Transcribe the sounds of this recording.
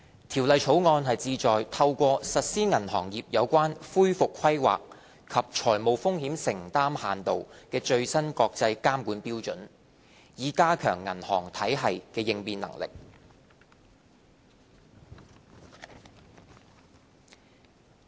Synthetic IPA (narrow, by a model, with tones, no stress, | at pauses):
t̪ʰiː˨˩wlɐ˨jt͡ʃʰo˨˥wŋɔː˧nɦɐ˨jt͡siː˧t͡sɔː˨jt̪ʰɐ˧wkʷɔː˧sɐ˨t̚siː˥ŋɐ˨˩nɦɔ̰ː˨˩ŋjiː˨p̚jɐ˨˧wkʷaː˥nfuː˥jfʊ˨kʰwɐ˥jwa̰ː˨k̚ | kʰɐ˨p̚t͡ʃʰɔː˨˩jmo˨wfʊ˥ŋɦiː˨˥msɪ˨˩ŋt̪aː˥mhaː˨nt̪o˨wkɛː˧t͡ʃɵ˧ɥsɐ˥nkɔː˧k̚t͡sɐ˧jkaː˥mkuː˨˥npiː˥wt͡ʃɵ˨˥n | jiː˨˥kaː˥kʰœː˨˩ŋːɐ̰˨˩nhɔː˨˩ŋt̪ʰɐ˨˥jɦɐ˨jkɛː˧jɪ˧ŋpiː˧nlɐ̰˨˩ŋlɪ̰˨k̚